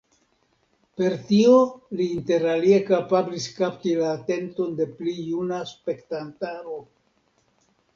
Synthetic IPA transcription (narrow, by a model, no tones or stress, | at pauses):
pe̞ɾtio̞liːnte̞ɾalie̞kapabliskaptilaːte̞nto̞nde̞plijunaspe̞ktantaɾo̞